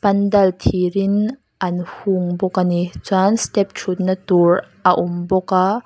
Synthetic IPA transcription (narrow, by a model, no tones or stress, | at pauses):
pɐndɐlt̪ʰiɾin | ʔɐnhuŋbɔkanit͡sanst̪ɛp̚t͡ʃʰut̪̚nat̪urʔɐʔumbɔka